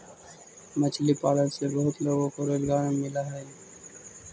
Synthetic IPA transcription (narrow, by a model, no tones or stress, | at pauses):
mət͡ʃʰlipaɽəɾsebəɦut̪loɡokoɾelɡaɾmɪlaɦɛ